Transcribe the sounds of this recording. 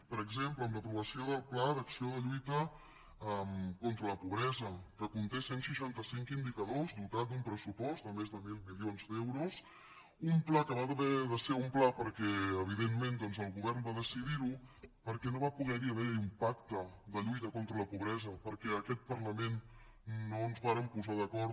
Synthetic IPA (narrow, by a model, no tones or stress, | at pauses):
pəɾəɡzempləːmləpɾuβəsioðəlˠplaðəksioðəʎujt̪ə | əmkont̪ɾələpuβ̞ɾɛzəkəkunt̪esensəʃant̪əsiŋkind̪ikəðozd̪ut̪at̪̚d̪umpɾəsupɔst̪d̪əmezd̪əmilˠmilionzd̪ɛwɾus | umplakəβaðəβɛðəseumplapəɾkɛəβiðemːend̪ɔnzəlˠɣuβɛrmbaðəsiðiɾupəɾkɛnoβapuɣɛɾiəβɛɾimpak̚t̪əd̪əʎujt̪əkont̪ɾələpuβɾɛzəpəɾkɛəkɛt̪̚pəɾləmenː | oənzβaɾəmpuzaðəkɔɾ